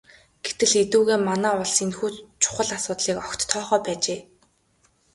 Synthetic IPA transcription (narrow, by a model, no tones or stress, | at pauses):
ɡ̥et̪ɘ̆ɮet̪uːɣeːmanæːʊɮsenxuːt͡ɕʰʊ̥χə̆ɮasʊːt̪ɮiːkɔkt̪ʰːɔːχœːpæːt͡ɕeː